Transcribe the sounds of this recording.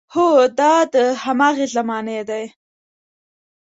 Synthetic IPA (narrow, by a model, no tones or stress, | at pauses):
hod̪ɑd̪əhamɑːɣezamɑned̪aj